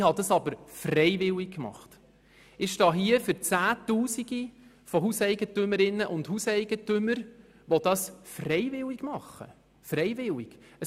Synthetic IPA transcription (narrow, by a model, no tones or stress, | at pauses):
hɑd̪ɑsɑbəɾfrɛjʋɪlik̚kmɑ̰χt | ɪʃtɑːɦiəfʏɾt͡sæːtuːsiɡi | fɔɦusɛɪɡ̥ətʏməɾɪnːəʔʊndhusɛɪɡ̥ətʏməɾ | ʋɔd̪̥ɑsfrɛjvɪliɡ̥mɑχːə̰ | frɛjʋɪlɪɡ̥ə